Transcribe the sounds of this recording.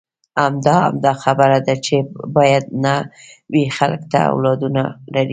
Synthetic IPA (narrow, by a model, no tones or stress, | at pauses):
amd̪ɑa̰md̪ɑxabəɾad̪at͡ʃebɑjad̪nawixalkt̪a̰a̰wlɑd̪unalaɾi